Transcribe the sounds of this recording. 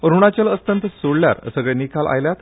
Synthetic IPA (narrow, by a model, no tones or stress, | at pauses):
əɾuɳ̃at͡ɕaləst̪ənt̪əsoɽlja̰ɾəsəɡɭenikʰalʔa̰jljat̪